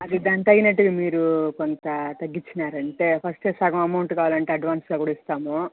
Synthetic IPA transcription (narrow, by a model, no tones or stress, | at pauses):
ɐd̪id̪aːnt̪ɐjinɐʈːuɡɐmiːɾukont̪ɐt̪ɐɡːit͡ʃːinaːɾɐɳʈe̞ːpʰɐsʈeːsɐɡɐ̃mɐmɐwuɳʈkaːʋalɐɳʈe̞ːɐɖʋaːnsɡaːkuːɽɐist̪aːmoː